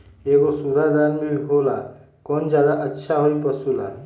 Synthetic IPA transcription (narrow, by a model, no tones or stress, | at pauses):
eːɡosud̪ʱad̪anmẽɦola | kɔːnd͡ʒjaːd̪aʔətːʃʰaɦoipəsula